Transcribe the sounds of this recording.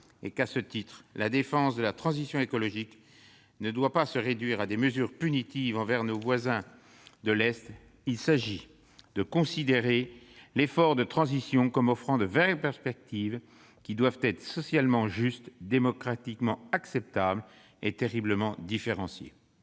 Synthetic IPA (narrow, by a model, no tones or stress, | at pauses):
ḛkasət̪it̪χlad̪efɑ̃sd̪əlat̪χɑ̃zisjɔ̃ekɔlɔʒik | nəd̪wapasəʁed̪ɥiʁad̪eməzyʁpynit̪ivɑ̃vɛʁnovwazɛ̃ | d̪əlɛst̪ | ilsaʒi | d̪əkɔ̃sid̪eʁelefɔʁd̪ət̪χɑ̃zisjɔ̃kɔmɔfχɑ̃d̪əvɛɡpɛʁspɛk̚t̪iv | kʲid̪wavt̪ɛt̪χəsɔsjalmɑ̃ʒyst̪d̪emɔkχat̪ikmɑ̃aksɛp̚t̪abl | et̪eʁibləmɑ̃d̪ifeʁɑ̃sjḛ